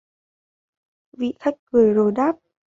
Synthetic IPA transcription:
vḭ˧˨xa˦˥k̚kɨ˨˧˩əjzo˨˩jɗaː˦˥p̚

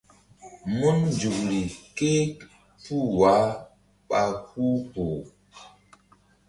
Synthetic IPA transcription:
mu˦nd͡ʒu˨kɾi˨ke˦k | pu˦˨wa˨˦ | ɓa˨ku˦po˨

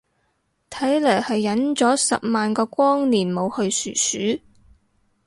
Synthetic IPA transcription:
t̪ʰɐ˨˥jlɐː˨˩hɐ˨jːɐ˨˥nt͡sɔː˨˥sɐ̰˨p̚maː˨nkɔː˧kʷɔː˥ŋniː˨˩nmo˨˧whɵ˧ɥsyː˨˩syː˨˥

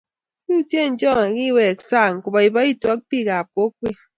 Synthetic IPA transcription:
ku˦tje˦˨n̩˦d͡ʒɔ˦˨ŋe˨ki˦˨wɛ˨ksa˦˨ŋ̩˨ku˨ba˨i˨bɔ˦i˦tɔ˦k̚pi˦˨ka˨pwo˨˦k̚wi˦˨

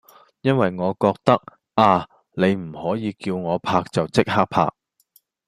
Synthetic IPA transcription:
jɐ˥nwɐ˨jŋɔː˨˧kɔː˧k̚t̪ɐ˥k̚ | aː˧ | ne˨˧jm̩˨˩hɔː˨˥jiː˨˧kiː˧wŋɔː˨˧pʰaː˧k̚t͡sɐ˨wt͡sɪ˥k̚haː˥k̚pʰa̰ː˧k̚

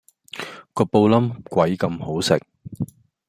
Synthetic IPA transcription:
kɔː˧po˧wlɐ˥mkʷɐ˨˥jkɐ˧mho˨˥wsɪ̰˨k̚

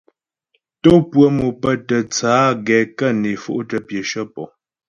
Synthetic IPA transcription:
to˦pwə˦˨mu˨pə˦tə˨t͡saː˨˦ɡɛ˨kə˦˨ne˨fṵ˦ʔtə˨pjə˨ʃə˦pɔ̰˨

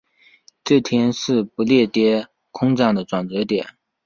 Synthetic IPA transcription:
ʈ͡ʂɤ˥˩t̪ʰjɛ˥nʂɻ̩˥˩pu˧˥ljɛ˥˩t̪jɛ˥ | kʰʊ˥ŋʈ͡ʂɑ˥˩ŋd̪ə˩ʈ͡ʂwa˨˩nt͡sɤ˧˥t̪jɛ˨˩˦n

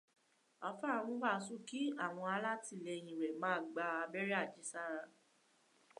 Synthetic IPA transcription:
a˨fa˦˨ɾ̃ũ˧˦ba˦˨su˦˨ki˨˦a˦˨w̃ɔ̃˧a˧la˦ti˧˨lɛ˧j̃ĩ˨ɾɛ˨mãː˨˦˨ɡ͡ba˧a˧bɛ˦ɾɛ˦a˦˨d͡ʒi˨˦sa˦ɾã˧

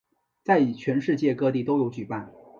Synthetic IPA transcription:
t͡sa˥˩ɪi˨˩t͡ɕʰɥɛ˧˥nʂɻ̩˥˧t͡ɕjɛ˥˧kɤ˥˧t̪i˥˩t̪o˥ʊjo˧˥ʊt͡ɕy˨˩pa˥˩n

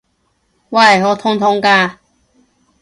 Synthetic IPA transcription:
wa˥˧a˨˩ɦɔ˧t̪ʰʊ˧ŋt̪ʰʊ˧ŋka˧

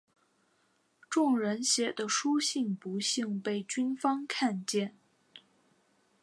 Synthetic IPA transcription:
ʈ͡ʂʊ˥˩ŋɻə˧˥nɕjɛ˧˥d̪ə˧ʂu˥ɕi˥˩ŋpu˧˥ɕi˥˧ŋpe˥˩ɪt͡ɕy˥nfɑ˥ŋkʰa˥˧nt͡ɕjɛ˥˩n

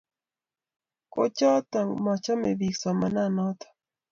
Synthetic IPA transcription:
ko̰t͡ʃa˦t̪a˨ŋma˨t͡ʃa˦mebiksama˨na˦no˦t̪ḁ˨

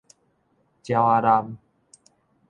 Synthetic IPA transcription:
t͡ɕja˧wa˧ɾa˧m

